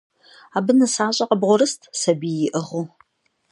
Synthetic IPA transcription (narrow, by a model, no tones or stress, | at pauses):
aːbɨnɨsaːɕʼɐqəbʁʷʊɾɨstʰsɐbijɪʔɨʁʊ